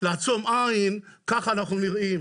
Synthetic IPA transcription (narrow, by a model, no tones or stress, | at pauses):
leat͡somʔaimkaχanaχnuniʁʔim